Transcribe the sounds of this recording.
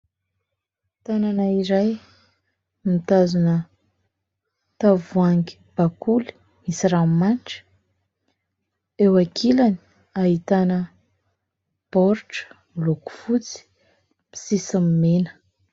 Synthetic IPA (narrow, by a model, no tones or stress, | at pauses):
t̪ananaiɾaj | mit̪azunə | t̪avuaŋɡi̥ | b̥akuli̥ | misiramanʈ͡ʂə̥ | ewakʰilani̥ | aɦit̪anə | pɔɾʈ͡ʂə̥mloku̥fut͡si̥ | pi̥sisammenə̥